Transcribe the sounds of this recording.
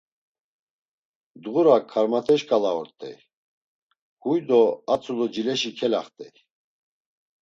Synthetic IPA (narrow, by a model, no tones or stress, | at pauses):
d̪ɣuɾakʰaɾmat̪ʰɛʃkʼalaɔ̰ɾt̪ʼɛ̰j | hujd̪ɔat͡sʰʼulɔd͡ʒilɛʃikʰɛla̰χt̪ʼɛ̰j